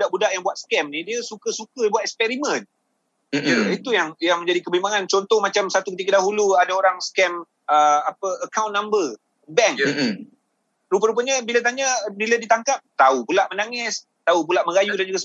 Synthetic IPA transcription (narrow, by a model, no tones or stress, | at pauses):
bdaʔbudaʔjaŋbuat̪skɛmnidiəsukasukadəbuat̪̚ɛkspɛɾimə̃n | jəit̪ujaŋjaŋmə̃ɲd͡ʒadikəbimbaŋant͡ʃɔnt̪ɔhmat͡ʃamsat̪ukət̪ikadaɦuluadaoɾaŋskɛm | əapəəkawnːambə | bɛŋ | ɾup̬aɾupaɲəbilat̪̬aɲabiladit̪aŋkap̚t̪aupulaʔmənaŋɪs | t̪aup̬ulaʔmə̃ɾajudand͡ʒuɡas